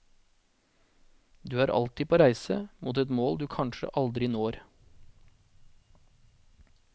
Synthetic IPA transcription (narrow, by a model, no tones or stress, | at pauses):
d̪ʉːæːɾʔɑ̰lt̪iːpʰoːɾæɪsəmuːt̪ɛt̪moːld̪ʉːkʰɑnʃə̰ʔɑld̪ɾɪnoːɾ